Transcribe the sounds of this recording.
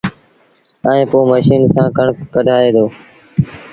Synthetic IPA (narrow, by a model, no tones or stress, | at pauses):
əːẽːpoːməʃiːnsãːkəɳkəɖʱaːeːd̪oː